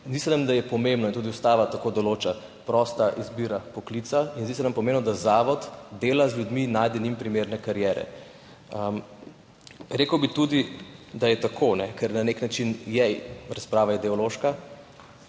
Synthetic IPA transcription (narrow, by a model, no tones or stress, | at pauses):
zd̪isɛnamd̪ajɛpɔmembnɔint̪ud̪iust̪aːʋat̪akod̪ɔloːt͡ʃa | pɾɔst̪aʔizbiːɾapɔklit̪sainzd̪is̬ɛnampɔmemnɔd̪azaːʋɔt̪d̪eːlazljud̪minaːjd̪ɛnimpɾimeɾnɛkaɾjɛːɾɛ̰ | ɾeːkəwbit̪ud̪id̪ajɛt̪akʰonɛkɛɾnaneknat͡ʃinjɛjɾaspɾaːʋaid̪ɛɔloʃka